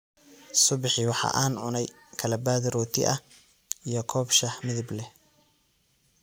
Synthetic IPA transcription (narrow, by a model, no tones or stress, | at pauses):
sʊβɪħɪwɑħɑ̰ʔaːnʕʊnɛj | kʰɐlɐbaːðɪɾɔːt̪ʰɪ̰ʔɐ | ijɞkʰɔːbʃɐħmɪðɪblɛ